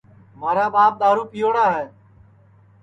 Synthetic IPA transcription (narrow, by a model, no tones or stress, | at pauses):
maːɾaːbaːp̚ɗ̪aːɾuːpijoːɽaːɦɛː